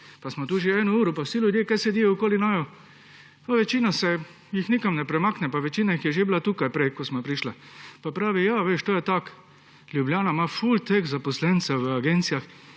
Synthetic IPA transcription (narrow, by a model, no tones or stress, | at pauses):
pasmɔt̪uːʒeɛːnuuːɾupawsilʲjud̪jekajsɛd̪ijoukoːlinajɔ | paʋɛt͡ʃiːnasɛ | jixnikamnɛpɾɛmaːknɛpaʋɛt͡ʃiːnaixjɛʒeblat̪uːkajpɾɛjkosmapɾiʃlapapɾaːʋijaʋeːʃt̪oːjɛt̪ak | ljubljaːnamafult̪ekzapɔslɛnt̪sɛwʋəaɡent̪sijax